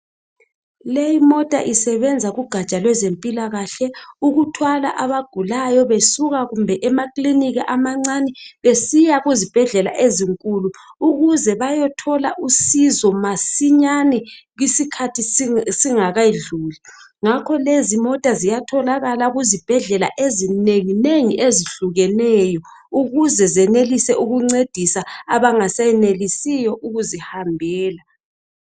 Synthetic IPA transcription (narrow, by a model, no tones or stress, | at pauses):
lejimɔtʼa̰ʔisɛβɛnd͡zʱaɣuɡ̥ʱat͡ʃʼalwɛzempʼilaɣaɬɛuɣutʰwala̰ʔaβaɡ̥ʱulajɔβesuɣaɣumbʱɛʔɛmakʼliniɣɛʔamaŋ͡ǀanɛβesijaɣuzib̥ʱɛɮɛla̰ʔeziŋkʼuluuɣuzɛβajɔtʰɔlaʔusizɔmasiɲanɛɣisikʰatʰisiŋaɣaiɮuːliŋakʰɔlezimɔtʼazijatʰɔlaɣalaɣuzib̥ʱɛɮɛla̰ʔezineŋineŋiʔeziɬuɣɛnɛjɔ | uɣuzɛzɛnelisɛʔuɣuŋ͡ǀed̥ʱisaaβaŋasajɛnelisijɔʔuɣuzihambʱɛːla